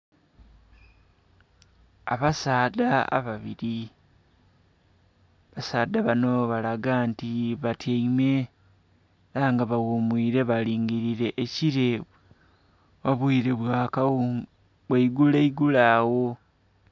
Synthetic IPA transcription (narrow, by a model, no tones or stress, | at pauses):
aβasaːdaa̰βaβiɾi | βasaːdaβano̞βalaɡantiβatʰeime̞ | ɾaŋɡaβawomwiːɾe̞βaliːŋɡiɾiɾe̞ʔːciɾe | βaβwiːɾe̞βwaːka | βweiɡuleiɡulaːwo̞